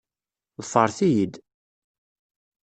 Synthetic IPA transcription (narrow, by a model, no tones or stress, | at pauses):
ðəfəɾˤθijid̪